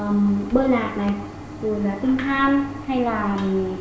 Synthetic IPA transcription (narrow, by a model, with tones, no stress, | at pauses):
mɓəː˧laː˨˩t̚na˨˩j | zu˨˩laː˨˩t̪ɨ˧ŋt̪ʰaː˧mha˧jlaː˨˩˨